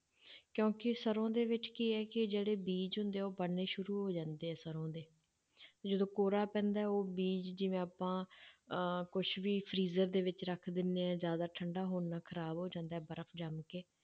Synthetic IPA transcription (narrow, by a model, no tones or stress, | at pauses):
kjõːkɪsəɾõːd̪eːʋɪt͡ʃkiɛːkɪd͡ʒeːɽeːbiːd͡ʒɦʊ̃nd̪eːɛːoːbəɽnːeːʃʊɾuːɦoːd͡ʒãːnd̪eːɛːsəɾõːd̪eː | d͡ʒəd̪õːkoːɾaːpɛ̃ːnd̪aːɛoːbiːd͡ʒd͡ʒɪʋẽːaːpãː | kʊʃʰʋiːpʰɾiːzəɾd̪eːʋɪt͡ʃɾəkʰd̪ɪnːeɛ̃ːzjaːd̪aːʈʰəɳɖaːɦoːnːaːkʰəɾaːbɦoːd͡ʒãːnd̪aːɛːbəɾəfʰd͡ʒəmkeː